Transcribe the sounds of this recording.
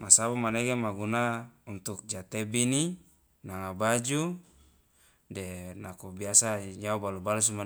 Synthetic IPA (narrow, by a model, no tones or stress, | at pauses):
masabamaneɡemaɡunaunt̪uk̚d͡ʒat̪ebini | naŋabad͡ʒu | denakobiasaɲaubalubalus̬uma